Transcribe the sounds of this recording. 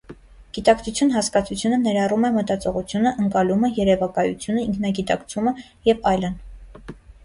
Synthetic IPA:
ɡ̥it̪ɑkt͡sʰut͡sʰjunɦɑskɑt͡sʰut͡sʰjunənɛɾɑrumɛmət̪ɑt͡sɔʁut͡sʰjunəʔəŋkɑluməjɛɾɛvɑkɑjṵt͡sʰjunəiŋkʰnɑɡit̪ɑkt͡sʰumə | jɛvɑjlən

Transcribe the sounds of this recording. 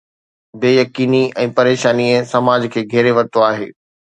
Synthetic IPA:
beːjɐkiːniɛ̃ːpɐɾeːʃaːnisɐmaːd͡ʑkʰeːɡʱɛːɾeʋɐɾt̪oaːɦeː

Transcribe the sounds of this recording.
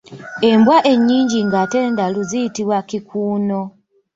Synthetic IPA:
e̞mbwaʔe̞ɲːiːɲɟiŋɡateːndaluzijitiβwakikuːno̞

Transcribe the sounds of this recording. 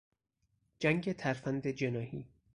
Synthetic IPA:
d͡ʒæŋɟet̪ʰæɾfænd̪ed͡ʒe̞nɒːhḭː

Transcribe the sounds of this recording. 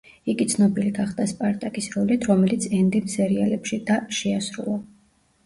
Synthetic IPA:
iɡit̪sʰnɔbiliɡaχd̪aspʼaɾt̪ʼakʼisɾɔlit̪ʰɾɔmɛlit̪sʰɛnd̪imsɛɾialɛpʃid̪̥aʃɛasɾṵlˠa

